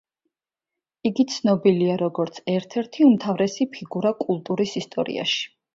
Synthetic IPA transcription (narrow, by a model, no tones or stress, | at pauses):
iɡit̪sʰnɔbiliaɾɔɡɔɾt̪sʰɛɾt̪ʰɛɾt̪ʰiumt̪ʰavɾɛsipʰiɡuɾakʼulˠt̪ʼuɾisist̪ʼɔɾḭa̰ʃi̥